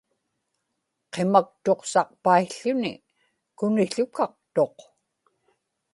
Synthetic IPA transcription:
qe̞mak̚t̪o̞qsɑq̚paiɬːʊnɪ̰ | kʊnɪɬʊkɑq̚t̪o̞q

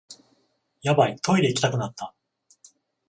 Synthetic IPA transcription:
jabait̪ʰo̞id̪e̞ikʲi̥t̪akɯ̟nat̪ʰːa

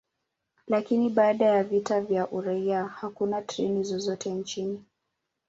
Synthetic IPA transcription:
lakiniɓaːɗajavitavjaʔuɾaiahakunatɾɛnizɔzɔtʰɛnt͡ʃini

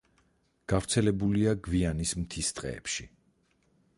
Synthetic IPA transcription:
ɡ̥avɾt̪sʰɛlɛbuliaɡvianismt̪ʰist̪ʼqʼɛ̰ːpʃi

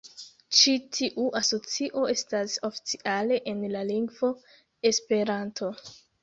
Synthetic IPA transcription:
t͡ʃitʰiʔuʔaso̞t͡siʔo̞e̞stasofi̥t͡siʔale̞ʔenlaliŋɡvo̞ | e̞spe̞ɾantʰo̞

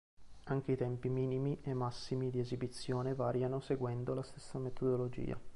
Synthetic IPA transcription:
aŋk̟eit̪ɛmpimiːnimiʔemːasːimid̪iezibit̪sːjoːnevaːɾjanoseɡwɛnd̪olast̪e̥sːamet̪ʰod̪olod͡ʒḭːa̰

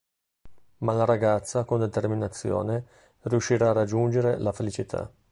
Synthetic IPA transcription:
malaɾaɡat̪sːakond̪et̪erminat̪sːjo̰ːne | riuʃːiɾaːrad͡ʒːund͡ʒeɾelafelit͡ʃit̪ʰa̰

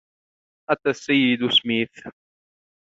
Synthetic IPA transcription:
ʔat̪asːajːɪd̪ʊsmiːθ

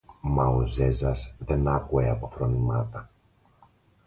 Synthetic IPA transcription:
mɐoze̞zɐsðe̞nɐkue̞ɐpo̞θɾo̞nimɐt̪ɐ

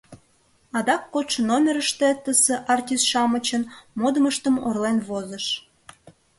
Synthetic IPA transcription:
ɑd̪ɑkːot̪ʃənomʲeɾəʃt̪et̪əseʔɑrtʲisʃɑmət͡ɕənmod̪əməʃt̪əmo̰rlenβozəʃ

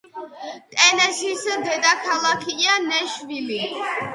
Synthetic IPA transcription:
t̪ʼɛnɛsisd̪ɛd̪akʰalˠakʰianɛʃvili

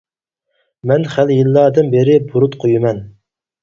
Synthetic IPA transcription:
mɛnχæljɨlˠːɑd̪ɨnbɪɾɪbuɾut̪qʰojumɛn

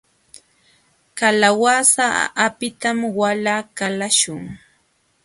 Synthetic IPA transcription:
kalawasaːpɪt̪amwalakalaʃʊŋ

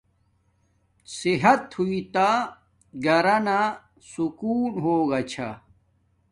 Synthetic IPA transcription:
siɦɐt̪huit̪a | ɡɐɾɐna | sukuːnɦoːɡɐt͡ɕʰa̰

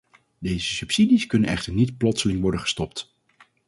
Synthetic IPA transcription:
dejzəsɵpsidiskɵnənɛχtəɹnitplɔtsəlɪŋʋɔɹdənχə̥stɔpt

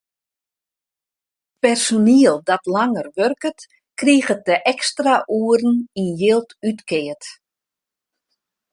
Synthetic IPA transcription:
pɛrsoniəlˠdɔtlaŋərʋørkət | kriəɣət̚dəʔɛkstraʔuərn̩injɪlˠtytkʰɪət

